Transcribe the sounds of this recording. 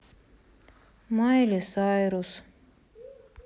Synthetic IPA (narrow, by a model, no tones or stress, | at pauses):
majlʲisɑjɾus